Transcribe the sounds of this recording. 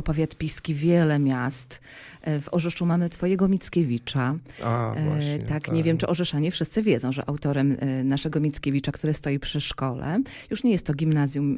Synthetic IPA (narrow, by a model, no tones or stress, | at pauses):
pavʲjat̪pʲiskʲivʲjɛlɛmʲjast̪ | vɔʐɛʂumamɘt̪fɔjɛɡɔmʲit̪skʲevʲit͡ʂaa̰t̪akɲɛvʲjɛmt͡ʂɨʔɔʐɛʂaɲɛfʂɘst̪sɘvʲjɛd̪zɔ̃w̃ʐɛ̰ʔawt̪ɔɾɛmnaʂɛɡɔmʲit̪skʲevʲit͡ʂakt̪uɾɛst̪ɔjipʂɘʂkɔlɛ̰ | juʂɲɛjɛst̪ːɔɡʲimnazʲjum